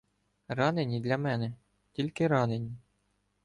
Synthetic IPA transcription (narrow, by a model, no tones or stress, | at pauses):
rɑnɘnʲid̪lʲɑmʲænʲɘ̆ | t̪ʲilʲkʲɘ̆ɾɑnʲɘ̆nʲi